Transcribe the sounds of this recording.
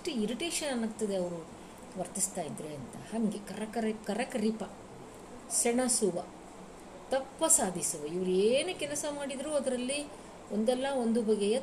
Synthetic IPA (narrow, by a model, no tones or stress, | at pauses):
ʈuiɾiʈeːʂɐnɐnːɐɡt̪ɐd̪e̞ɐʋɐɾu | ʋɐɾt̪ist̪aːjid̪ːɾeɐnt̪ɐhɐŋɡekɐɾɐkɐɾɐkɐɾɐkɐɾipɐ | sɛɳɐsuʋɐ | t̪ɐpːɐsaːd̪ʱisɐʋeiʋɐɾueːnukɛlɐsɐmaːɽid̪ɾuɐd̪ɐɾɐlːi | ond̪ɛlːɐo̞nd̪ubɐɡejɐ